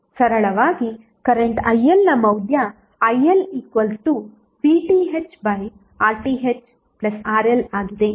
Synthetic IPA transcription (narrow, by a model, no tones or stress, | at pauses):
sɐɾɐɭɐʋaːɡi | kɐɾeɳʈɐjelnɐmɐwd̪ʱjaː | jeliːkʋɐlʈuː | piːʈiːɦet͡ʃbɐj | aːɾʈiːɦet͡ʃ | plɐsaːɾelaːɡid̪e